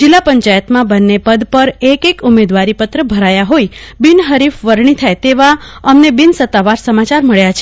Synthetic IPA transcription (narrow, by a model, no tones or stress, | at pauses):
d͡ʒɪlːapəɲt͡ʃajət̪mãbənːepəd̪pəɾekekumed̪ʋaɾipət̪ɾəbʱəɾajaɦojbɪnɦəɾifʋəɾɳit̪ʰajt̪eʋaəmnebɪnsət̪ːaʋaɾsəmat͡ʃaɾməɭjat͡ʃʰe